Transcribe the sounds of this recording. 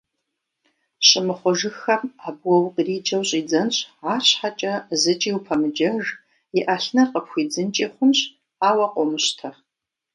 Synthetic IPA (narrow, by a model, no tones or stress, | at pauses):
ɕʼɪmɨχʷɔʒɨxɐmaːbwɐwqʼriːd͡ʒɐwɕʼiːd͡zɐnɕʼʕaːɕħat͡ʃʼɐzɨt͡ʃʼiːwpʰɐmɨd͡ʒɐʐ | jɪʔɐɬnɐqəpxʷiːd͡zɨnt͡ʃʼeːχʷʊmɕ | aːwɐqʷʼɔmɨɕtʰɐ